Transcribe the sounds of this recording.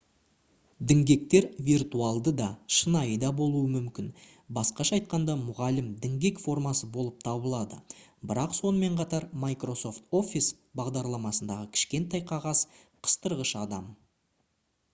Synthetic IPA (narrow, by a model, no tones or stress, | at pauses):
d̪ɪŋɡʲe̞k̚t̪e̞ɾvʲirt̪uɑlˠd̪əd̪ɑʃənɑjəd̪ɑbo̞lˠuəmʏmkʲɪn | bɑsqɑʃɑːjt̪̚qɑnd̪ɑmʊʁɑlɪmd̪ɪŋɡʲe̞kfo̞rmɑsəbo̞lˠəp̚t̪ʰɑbəlˠɑd̪ə̰bɪɾɑqso̞nəme̞ɴqʰɑt̪ɑɾmajkro̞so̞ft̪o̞fʲis | bɑʁd̪ɑɾlˠɑmɑsənd̪ɑʁəkʲʰɪ̥ʃkʲe̞nt̪ːɑjqʰɑʁɑs | qʰə̥st̪əɾʁəʃɑd̪ɑm